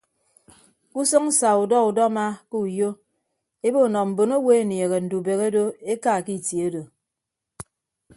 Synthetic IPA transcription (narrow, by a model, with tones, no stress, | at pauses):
ku˦sɔ˦ŋ̩˦sa˨u˨dɔ˦u˨dɔ˦ma˦ke˦u˨jo˦ | e˦bo˦˨nɔ˨m̩˨bo˨no˦we˦e˨nje˨ɣe˨n̩˨du˨be˨ɣe˦do˦e˦ka˨ki˦˨tjo˦do˨